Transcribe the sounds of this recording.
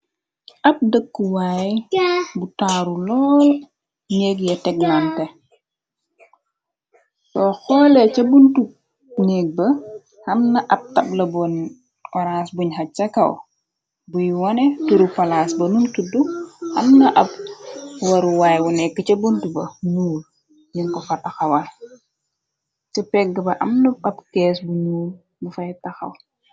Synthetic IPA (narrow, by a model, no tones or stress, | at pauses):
ʔɐp̚dəkːuwaːjbutaːɾulɔːl | ɲɛk̬jɛtɛk̚nantɛ | tɔxɔːlɛcɐbuntu | nɛk̚bɐ | hɐmnɐʔɐp̚tɐb̚lɐbɔn | ɔɾasbuɲɦɐt͡ʃːɐkɐw̰ | bujwɔnɛtuɾupɐlasbɐnuntuduhɐ̰mnɐʔɐpwɐɾuwaːjwunɛkːət͡ʃɐbuntubɐnuːl | jiŋkɔfɐtɐxɐwɐ | t͡ʃɐpɛɡːəbɐʔɐmnuɐpkɛːsbunuːl | bufɐjtɐxɐ̰w